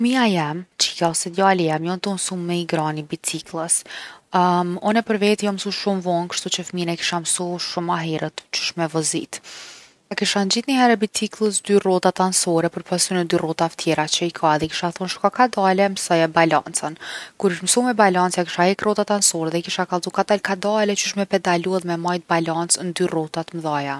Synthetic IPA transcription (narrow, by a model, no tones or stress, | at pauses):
fmiajɛmt͡ʃikaɔsɛd̪jalijɛmjɔnt̪ɔmsumːɛiɡɾanibit͡siklˠəs | mɔnɛpəɾvɛt̪ijɔmsuʃumvɔnkʃt̪ut͡ɕəfminɛki̥ʃamsuʃumaɦɛɾət̪t͡ʃu̥ʃmɛvɔzḭt̪ | ɛkiʃand͡ʑiθnihɛɾɛbit͡siklˠəs̬d̪yrɔt̪at̪ansɔɾɛpəɾpasunɛd̪yrɔt̪aət̪ʰjɛɾat͡ɕəikʰaðɛki̥ʃaθunʃkakad̪alɛməsɔjabala̰nt͡sənkuɾiʃmsumɛbalant͡sjaki̥ʃahɛɾkrɔt̪at̪ansɔɾɛðɛkiʃakalˠt̪ukad̪alkad̪alɛt͡ʃuʃmɛpɛd̪aluaðmɛmajt̪̚balant͡snd̪yrɔt̪at̪mðaja